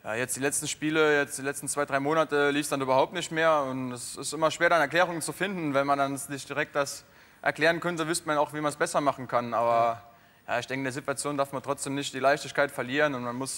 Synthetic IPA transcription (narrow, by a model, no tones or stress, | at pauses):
ja̰ːjɛt͡sd̥iːlɛt͡stn̩ʃpiːləjɛt͡std̥iːlɛt͡stn̩t͡sv̥aɪdʁaɪmoːnatəliːfsd̥anʔyːbɐhaʊp̚tnɪçtmeːɐʊntɛsɪstʔɪmɐʃv̥eːɐɾanɛɐklɛːʁʊŋənt͡sufɪndn̩vɛnmandanzɪçd̥iʁɛk̚t̚d̥as | ʔɛ̰ɐklɛːʁ̞ənkʰœntəvʏstmanaʊxv̥iːmansb̥ɛsɐmaχn̩kʰanʔaːbɐ | ja̰ːɪçd̥ɛŋkəɪndeːɐzituat͡sjoːndaɐfmantʁ̥ɔt͡sd̥eːmnɪçtd̥iːlaɪçtɪçkʰaɪtfɛɐliːʁənʊntmanmʊs